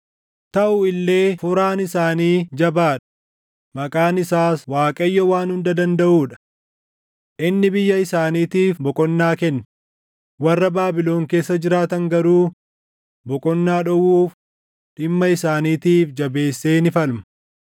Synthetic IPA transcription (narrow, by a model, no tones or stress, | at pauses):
t̪ɐʔʊɪlːe̞ːfʊɾaːnɪsaːniːd͡ʒɐbaːᶑɐ̥ | mɐkʼaːnɪsaːswaːkʼɐjːɔwaːnhʊnd̪ɐd̪ɐnd̪ɐʔuːᶑɐ̥ | ʔɪnːɪbɪjːɐɪsaːniːt̪iːfbɔkʼɔnːaːkɛnː | wɐrːɐbaːbɪlo̞ːŋke̞ːsːɐd͡ʒɪɾaːt̪ɐŋɡɐɾuː | bɔkʼɔnːaːᶑɔwuːf | ᶑɪmːɐɪsaːniːt̪iːfd͡ʒɐbe̞ːsːeːnɪfɐlmɐ